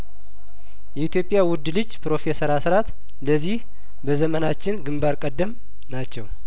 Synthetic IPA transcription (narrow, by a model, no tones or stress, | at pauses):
jɛit̪jo̞pʼːɪjawʊd̪lɨd͡ʒːpɾo̞fe̞səɾasɨɾat̪ | ləzːih | bəzəmənat͡ʃːɪnɡɨmbaɾkʼəd̪ːəm | nat͡ʃːɛw